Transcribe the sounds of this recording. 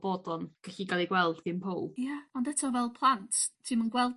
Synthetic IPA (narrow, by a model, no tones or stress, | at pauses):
b̥ɔdɔnkəɬiɡalˠiɡwɛlˠd̥θɪnmpʰowjaɔndətʰɔvɛlˠpʰlˠantʰtʰimənɡwɛlˠ